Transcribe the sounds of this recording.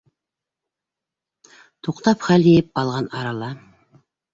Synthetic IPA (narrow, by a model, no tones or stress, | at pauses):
t̪ʰuqt̪ɑpχælejɘp̚bɑlˠʁɑnɑɾɑlˠɑ